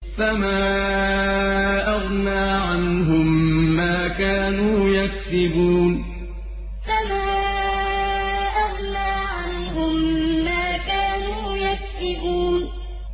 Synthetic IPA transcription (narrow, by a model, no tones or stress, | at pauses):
famaː | ʔɑɣnaːʕanɦʊmːaːkaːnuːjaksɪbuːn | famaː | ʔɑɣnaːʕanɦʊmːaːkaːnuːjaksɪbuːn